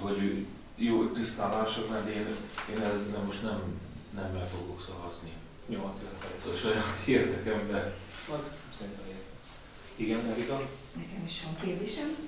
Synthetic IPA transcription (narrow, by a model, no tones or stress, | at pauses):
ho̞ɟøː | joːt̪yst̪a̰ːmaːʃokmaːd̪eːneːnɛznɛmo̞ʃt̪nɛm | nɛmbɛlfo̞ɡoksɒvɒzni | ɲomɒt̪ɛt̪ɦɒot̪oʃɒjaːt̪ʰeːrd̪ɛkɛmbɛn | olt̪msɛɾint̪ɛme | iɡɛnt̪ɛɾit̪on | nɛkɛmiʃɛmkeːliʃɛm